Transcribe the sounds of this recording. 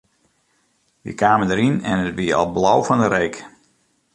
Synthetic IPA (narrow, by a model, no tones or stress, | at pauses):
ʋḭkaːməndəɾinɛ̰nətʋiəɑ̰lˠblawvɑndəɾejk